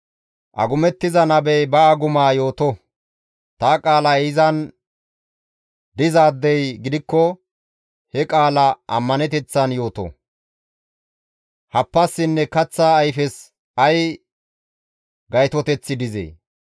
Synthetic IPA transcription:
ʔɐ̰ɡʊmɛt̪ːɪzɐnɐbɛjbɐːɡʊmaːjo̞ːt̪ɔ | t̪aːkʼaːlɐɪzɐn | d̪ɪzaːd̪ːɛjɡɪd̪ɪkːɔ | hɛkʼaːlɐʔɐ̰mːɐnɛt̪ɛt͡sːɐnjo̞ːt̪ɔ̰ | hɐpːɐsːɪnːɛkɐt͡sːaːjfɛs | ɐj | ɡɐjt̪ɔt̪ɛt͡sːɪd̪ɪzḛː

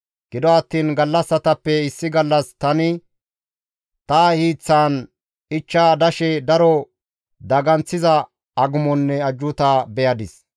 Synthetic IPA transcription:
ɡ̥ɪd̪ɔɐt̪ːiːnɡɐlːɐsːɐt̪ɐpːɛɪsːɪɡɐlːɐst̪ɐnɪ | t̪ɐhiːt͡sːaːn | ɪt͡ʃːaːd̪ɐʃɛd̪ɐɾɔ | d̪ɐɡɐnt͡sːɪzɐ | ɐɡʊmɔnːɛɐd͡ʒːʊt̪aːbɛjɐd̪ɪs

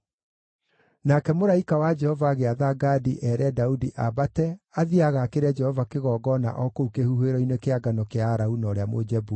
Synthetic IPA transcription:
nakɛmoɾaikawad͡ʒɛhɔvaːɣeaðaɡadiʔɛɾɛdaudiʔabatɛaðiaɣakeɾɛd͡ʒɛhɔvakeɣɔːɡɔna̰ʔɔkoukehuhweɾɔinwekeaɡanɔkeaːɾaunɔːɾeamo̰d͡ʒɛbu

